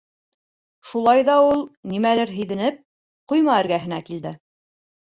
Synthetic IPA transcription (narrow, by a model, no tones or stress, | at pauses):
ʃulˠɑjðɑulˠnimælɘɾɦɘ̆jðɘ̆nɘp̚ | qujmɑɘ̆ɾɡæɦɘ̆nækild̪ɘ